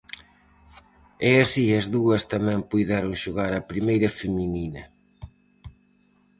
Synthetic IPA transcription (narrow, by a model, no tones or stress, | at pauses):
ɛɐsiɐzðuɐst̪ɐmɛ̃ŋpujðɛɾõŋʃoɣaɾɐpɾimejɾɐfemininɐ